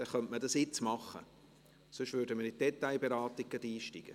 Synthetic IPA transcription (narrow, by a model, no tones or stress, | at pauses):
d̥ɛχœntmədɑsɪt͡smɑχːə̰ | sʏʃʋøɾdəməɾɪd̥ɛtːaɪbeɾɑːtikːədiːʃtiɡ̥ə̰